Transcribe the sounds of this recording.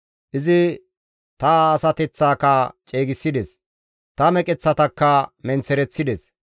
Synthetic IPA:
ʔɪzɪ | t̪ɐːsɐt̪ɛt͡sːaːkɐt͡ʃʼe̞ːɡɪsːɪd̪ɛs | t̪ɐmɛkʼɛt͡sːɐt̪ɐkːɐmɛnt͡sːɛɾɛt͡sːɪd̪ɛs

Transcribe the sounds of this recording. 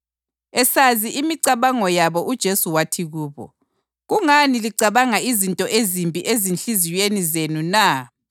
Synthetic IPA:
ɛsaziʔimiǀaβaŋɔjaβɔʔud̥ʒ̥ʱesuwatʰiɣuːβɔ̰ | ɣuŋaniliǀaβaŋaizintʼɔʔezimpʼiʔezinɬizijwenizenuna

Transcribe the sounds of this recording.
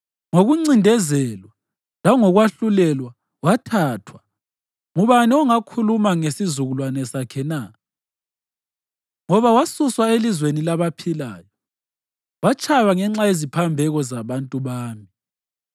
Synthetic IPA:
ŋoɣuŋ͡ǀindʱɛzɛlwa | laŋɔɣwaɬulɛlwa | watʰaːtʰwa | ŋuβaniɔŋakʰulumaŋesizuɣulwanɛsakʰɛna | ŋɔβawasuswaelizwenilaβapʰila̰ːjɔ | wat͡ʃʼʰajaŋɛŋ͡ǁajezipʰambʱɛɣɔzaβantʼuβaːmi

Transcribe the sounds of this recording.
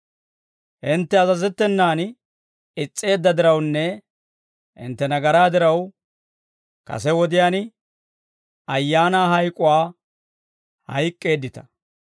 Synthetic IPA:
ʔɪnt̪ːɛɐzɐzɛt̪ːɛnːaːn | ɪt͡sʼːe̞ːd̪ːɐd̪ɪɾɐwnːɛ | ʔɪ̰nt̪ːɛnɐɡɐɾaːd̪ɪɾɐw | kɐ̰sɛwɔd̪ɪjaːn | ɐjːaːnaːɦɐjkʼʊwaː | hɐ̰jkʼːe̞ːd̪ːɪt̪ɐ̥

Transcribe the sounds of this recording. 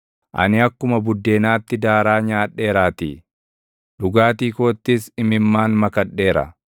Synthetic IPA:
ʔɐ̰nɪɐkːʊmɐbʊd̪ːe̞ːnaːt̪ːɪd̪aːɾaːɲaːᶑːe̞ːɾaːt̪ḭː | ᶑʊɡaːt̪iːko̞ːt̪ːɪsɪmɪmːaːnmɐkɐᶑːe̞ːɾɐ̰

